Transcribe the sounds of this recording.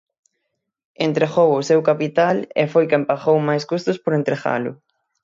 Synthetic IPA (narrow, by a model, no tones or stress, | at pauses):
ent̪ɾeɣowʊsewkapit̪alḛfojkempaxowmajskust̪ʊspoɾent̪ɾeɣa̰lʊ̰